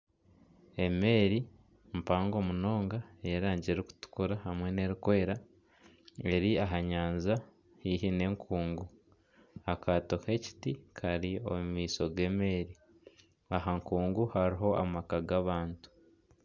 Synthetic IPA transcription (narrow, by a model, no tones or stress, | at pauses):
e̞me̞ːɾi | mpaːŋɡo̞muno̞ːŋɡaejaɾaːɲɟeɾiku̥tu̥kuɾahamwe̞ne̞ɾikwe̞ːɾa | e̞ɾiaɦaɲaːnza | hiɦine̞ːŋkʰuːŋɡu | akato̞he̞ci̥tikʰaɾio̞̰mumiːso̞ɡe̞ːme̞ːɾi | aɦaŋkuːŋɡuhaɾiɦo̞a̰makaɡaβaːntu̥